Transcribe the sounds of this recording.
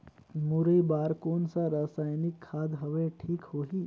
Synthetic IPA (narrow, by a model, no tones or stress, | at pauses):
mʊɾəbaːɾkoːnsaɾaːsaːjnɪkʰːaːd̪ɦɐʋeʈʰiːkɦoːɦiː